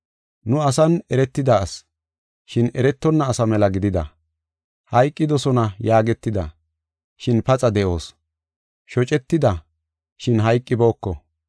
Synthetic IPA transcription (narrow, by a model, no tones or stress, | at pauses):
nʊɐsɐnɛɾɛt̪ːɪd̪ɐːs | ʃɪnɛɾɛt̪ːɔnːɐːsɐmɛlɐɡɪd̪ɪd̪ɐ̰ | hɐjkʼːɪd̪ɔsɔnɐjaːɡɛt̪ːɪd̪ɐ | ʃɪnpɐt͡sʼɐd̪ɛʔo̞ːs | ʃɔt͡ʃʼɛt̪ːɪd̪ɐ | ʃɪnɦɐjkʼːɪbo̞ːkːɔ